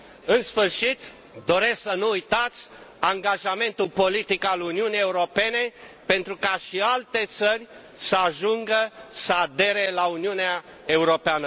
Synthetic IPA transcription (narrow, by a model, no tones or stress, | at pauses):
ɨnsfɨrʃit̪ | d̪o̞ɾe̞sksənuujt̪at̪sʲaŋɡaʒame̞nt̪ulpo̞lit̪ikaluniunijeuɾo̞pe̞nepe̞nt̪ɾukaʃialt̪e̞t̪sərʲ | səaʒuŋɡəsəad̪e̞ɾe̞launiunea | e̞uɾo̞peanə